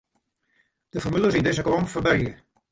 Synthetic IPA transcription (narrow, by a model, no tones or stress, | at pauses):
d̥əfɔrmylˠəzindɪzəklɔmfərbɛrjə